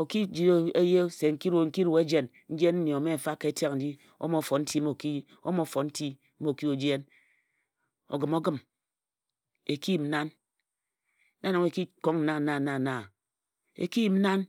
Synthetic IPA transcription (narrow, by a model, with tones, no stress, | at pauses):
o˨ki˦d͡ʒi˨˦e˦je˦se˨ŋ̩˦ki˦ɾu˨ŋ̩˦ki˦ɾu˨e˦d͡ʒe˨n | n̩˦d͡ʒe˦n̩˦ni˨o˨˦me˦˨m̩˨fa˦ke˨e˦ta˦kn̩˨d͡ʒi˦ | o̰˦mo˨˦˨fo˨n̩˦ti˦mo˨ki˦ | o̰˦mo˦fo˨n̩˦ti˦ | m˦o˨ki˦o˨d͡ʒi˦e˦n | o̰˨ɡɨ˨mo˦ɡɨ˦m | e˨ki˦i˨m̩˦na˦n˦ | da˦no˨ŋe˨ki˦ko˦ŋn̩˨na˦˨na˦˨na˦˨na˨ | ḛ˨ki˦ji˨m̩˦a˦n